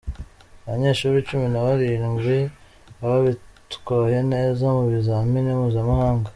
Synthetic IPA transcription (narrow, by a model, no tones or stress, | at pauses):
aβaɲe̞ːʃuːɾit͡ʃuminaβaɾinimβi | aβaβitu̥koje̞ne̞ːzamuβizaminimuːzamahaːŋɡa